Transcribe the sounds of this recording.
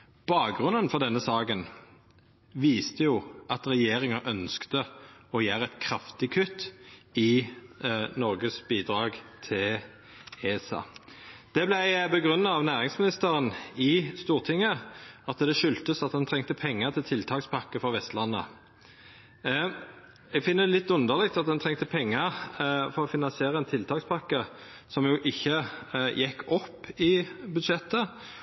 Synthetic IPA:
b̥ɑːk̚ɡʁʉnənfɔʁd̪ɛnːəsɑːkən | ʋiːst̪əjʊʔɑt̪ʁɛjeːʁɪŋəʔœnskt̪əɔjæːʁəɛt̪kʰʁɑft̪ɪkʰʉt̪ːɪ | nɔʁɡəsbiːd̪ʁɑːɡt̪ʰɪl | eːɛsɑ̰ːd̪̥ɛblæɪbəɡʁʉnːəɑʋnæːʁɪŋsmɪnɪst̪əʁənɪst̪uːʁt̪ʰɪŋːəɑt̪d̪ɛʃʏlt̪əsɑt̪̚d̪ɛnt̪ʰʁɛŋt̪əpʰɛŋːəʁt̪ʰɪlt̪ʰɪlt̪ʰɑːkspʰɑkːəfɔʋɛst̪lɑnːə̰ | ɛɡfɪnːəd̪ɛlɪt̪ːʉnd̪əʁlɛkt̪ɑt̪̚d̪ɛnt̪ʰʁɛŋt̪əpʰɛŋːəɾfɔɾɔfɪnɑnsɪeːʁəɛnt̪ʰɪlt̪ʰɑːkspʰɑkːə | sɔmjʊʔɪçːəjɛkːɔpːɪbʉd̪ʃɛt̪ːə

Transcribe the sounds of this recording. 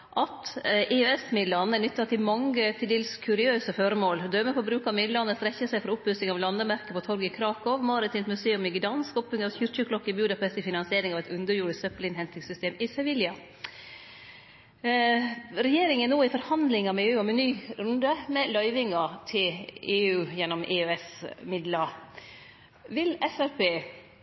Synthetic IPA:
ʔɑt̪ʔɪøɛsmɪd̪lɑnːənʏt̪ːɑt̪ʰɪlmɑŋət̪ʰɪd̪eːlskʰʉɾɪøːsəfɔɾəmoːld̪œːməfɔbɾʉːkɑmɪd̪lɑnːəst̪ɾɛçːəsæɪfɔɾʊpbʉsɪŋɑʋlɑnd̪əmæɾkəpɔt̪ʰɔɾɡɪkʰɾɑːkɔʋmɑːɾɪt̪ʰɪːnt̪mʉseːʉmɪɡɪd̪ɑnskɔpːʏŋɑʋçʉːɾçʉkʰlɔkːəɪbʉːd̪ɑpʰɛst̪ɪfɪnɑnsɪeːɾɪŋɑʋɛɪt̪ʉnd̪əɾjuːɾəssœplɪnhɛnt̪ɪŋsʏst̪eːmɪsɛʋɪljɑ | ɾɛjeːɾɪŋənoːɪfɔɾhɑnd̪lɪŋɑmɛeːʉːɔmɛnyːɾʉnd̪əmɛlœʏʋɪŋɑt̪ʰɪleːʉːjɛnːɔmʔeːøɛsmɪd̪lɑ | ʋɪlɛsæɾpʰeː

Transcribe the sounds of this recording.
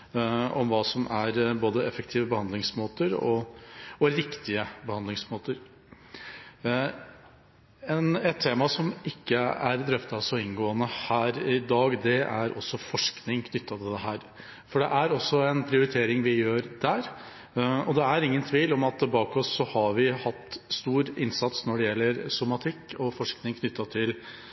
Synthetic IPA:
ɔmʋɑːsɔmʔæɾboːd̪əɛfəkt̪ʰiːʋəbəhɑnd̪lɪŋsmoːt̪əɾɔ̰ɔɾɪkt̪ɪəbəhɑnd̪lɪŋsmoːt̪əɾ | ɛnɛt̪ʰːeːmɑsɔmɪkːəæɾd̪ɾœft̪ɑsɔɪnɡoːənəhæːɾɪd̪ɑːɡd̪ɛʔæɾɔsːɔfɔʂknɪŋkʰnʏt̪ʰːɑt̪ʰɪd̪ɛɦæːɾ | fɔɖɛʔæɾɔsːɔɛnpʰɾɪʊɾɪt̪ʰeːɾɪŋʋɪjøːɾd̪æːɾ | ɔd̪ɛæɾɪŋːənt̪ʰʋiːlɔmɑt̪bɑːkɔsːɔhɑɾʋɪhɑt̪ːst̪uːɾɪnsɑt̪snɔɖɛjɛlːəɾsʊmɑt̪ʰɪkːɔfɔʂknɪŋkʰnʏt̪ːɑt̪ʰɪl

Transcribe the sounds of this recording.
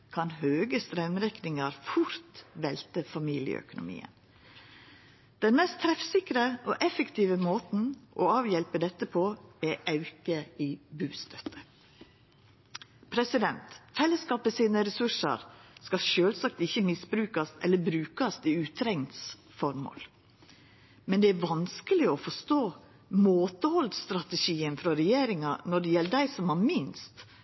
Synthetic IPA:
kʰɑnhøːɡəst̪ɾœmɾɛknɪŋɑɾfʊɾt̪ʋɛlt̪əfɑmiːlɪə̰œ̰kʊnʊ̰mḭːə̰n | d̪̥ɛnmɛst̪ʰɾɛfsɪkɾəʔɔʔɛfəkt̪ʰiːʋəmoːt̪n̩ʔɔɑːʋjɛlpəd̪ɛt̪ːəpʰoːɛʔɑʉkəibʉːst̪ʰœt̪ʰːə̥ | pʰɾɛsɪd̪ɛnt̪fɛlːəskɑːpəsiːnəɾɛsʉʂə̰ɾskɑʃøːlsɑk̚t̪ɪçːəmɪsbɾʉːkɑst̪ɛlːəbɾʉːkɑst̪ɪʉːt̪ʰɾɛŋt̪s | fɔɾmo̰ːl | mɛnd̪ɛæɾʋɑnskəlɪɔfɔʂt̪oː | moːt̪əhɔld̪st̪ɾɑt̪ɛʂiːənfɾɔɾɛjeːɾɪŋɑnɔɖɛjɛlːəd̪æɪsɔmɑmɪnst̪

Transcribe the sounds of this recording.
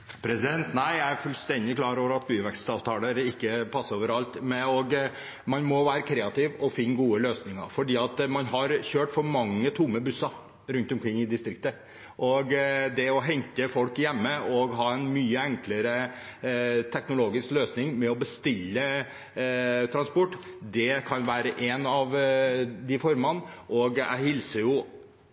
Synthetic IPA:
pʰɾɛsɪd̪ɛnt̪næɪjæɪæɾfʉlst̪ɛnd̪ɪklɑːɾoːʋəɾɑt̪̚byːəʋɛkst̪ɑːʋt̪ʰɑːləɾɪkːəpʰɑsːəɾoːʋəɾɑlt̪mɛɔɡ | mɑnmɔʋæːɾəkʰɾɛːɑt̪ɪʋɔfɪnːɡuːəløːsnɪŋɑ̰ɾfɔɖiːɑt̪mɑnɦɑɾçøːʈfɔɾmɑŋːət̪ʰʊmːəbʉsɑɾ | ɾʉnt̪ɔmkʰɾɪŋːɪd̪ɪst̪ɾɪk̚t̪ə | ʔɔɡd̪ɛɔɦɛŋkəfɔlkjɛmːəɔɡɦɑːɛnmyːəɛŋkləɾə | t̪ʰɛknʊloːɡɪskløːsnɪŋmɛɔbəst̪ɪlːə | t̪ʰɾɑnspɔʈːd̪ɛkʰɑnʋæːɾəʔɛnɑʋ | d̪ɪfɔɾmɑnʔɔɡæ̰ɪhɪlsəɾjʊ

